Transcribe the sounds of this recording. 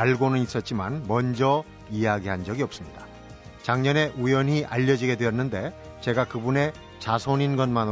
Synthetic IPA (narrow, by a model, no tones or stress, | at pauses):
aɭɡonɯnis͈ʌt̚t͡ɕ͈imanmʌnd͡ʑʌ | ijaɡiɦand͡ʑʌɡiʌp̚s͈ɯmɲida | t͡ɕaŋɲʌne̞ʔujʌɲiʔaʎːʌd͡ʑiɡe̞dwe̞ʌnːɯnde̞ | t͡ɕe̞ɡakɯbune̞ | t͡ɕasʰoɲinɡʌnman